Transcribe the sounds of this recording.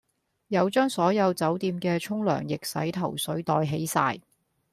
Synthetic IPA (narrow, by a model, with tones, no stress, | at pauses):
jɐ˨˧wt͡ʃœː˥ŋsɔː˨˥jɐ˨˧wt͡sɐ˨˥wt̪iː˧mkɛː˧t͡ʃʰʊ˥ŋlœ̰ː˨˩ŋjɪ˨k̚sɐ̰˨˥jt̪ʰɐ˨˩wsɵ˨˥ɥt̪ɔː˧jɦe˨˥jsa̰ː˧j